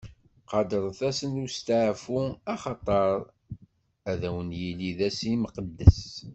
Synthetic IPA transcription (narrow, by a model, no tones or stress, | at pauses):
qɑd̪əɾˤθæsənust̪aʕfuɑχɑt̪ˤɑɾˤ | æðæwənjiliðæsiməqəd̪ːəs